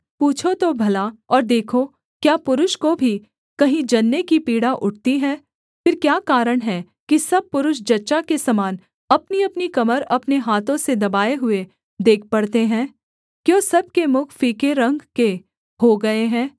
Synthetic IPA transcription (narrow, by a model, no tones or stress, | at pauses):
puːt͡ʃʰot̪obʱɐlaɔːɾd̪eːkʰo | kjaːpʊɾʊʃkobʱi | kɐɦĩd͡ʒɐnːekipiːɽaʔʊʈ̚t̪iɦɛ̃ː | fɪɾkjaːkaːɾəɽ̃ɦɛ | kisɐb̚pʊɾʊʃ̬d͡ʒɐtːʃakesɐmaːn | ɐpniɐpnikɐməɾɐpneɦaːt̪õsed̪ɐbaːeɦʊe | d̪eːk̚ʰpɐɽt̪eɦɛ̃ː | kjõːsɐb̚kemʊkʰfiːkeɾɐ̃ŋɡke | ɦoɡɐeɦɛ̃ː